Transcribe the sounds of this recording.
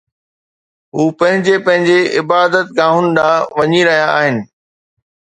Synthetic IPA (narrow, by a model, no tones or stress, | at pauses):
ɦuːpɐ̃ɦɪ̃ɲd͡ʑepɐ̃ɦɪ̃ɲd͡ʑeɪbaːd̪ət̪ɡãːɦʊnɪ̆ɗãːʋɐɲiɾɐɦijaːɦɪnɪ̆